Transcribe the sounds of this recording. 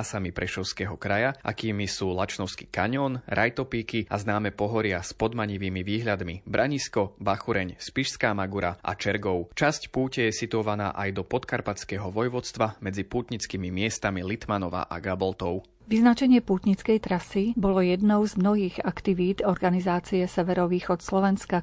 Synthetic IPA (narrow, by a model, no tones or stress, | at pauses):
samipɾɛʃɔʊskɛːɦɔkɾajaʔa̰kiːmisuːlat͡ʃnɔʊski̥kaɲɔnɾʔajt̪ɔpiːkiaznaːmɛpɔɦɔɾɪaspɔd̪maɲiʋiːmiʋiːɦʎad̪mibɾʔaɲiskɔbaxuɾɛɲspiʃskaːmaɡuɾaʔa̰t͡ʃɛɾɡɔʊt͡ʃascpuːcɛjɛsit̪uɔʋana̰ːʔajd̪ɔpɔt̪kaɾpat͡skɛːɦɔʋɔjʋɔt͡st̪ʋamɛd͡zipuːt̪ɲit͡skiːmimɪɛst̪amilit̪manɔʋa̰ʔa̰ɡabɔlt̪ɔʊ | ʋiznat͡ʃɛɲɪɛpuːt̪ɲit͡skɛjt̪ɾasibɔlɔjɛd̪nɔʊzmnɔɦiːɣakt̪iʋiːd̪ɔɾɡanizaːt͡siɛsɛʋɛɾɔʋiːxɔt̪slɔʋɛnska